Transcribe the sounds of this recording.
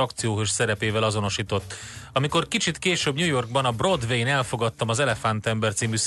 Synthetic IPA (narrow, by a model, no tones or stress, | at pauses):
ɒkt̪sijoːɦøʃsɛɾɛpeːvɛlɒzo̞no̞ʃiːt̪o̞t̪ːɒmiko̞rkit͡ʃit̪keːʃøːbɲuːjo̞rɡ̚bɒnɒbro̞d̪vejnɛlfo̞ɡɒt̪ːɒmɒzɛlɛfant̪ɛmbɛrt̪siːmyːs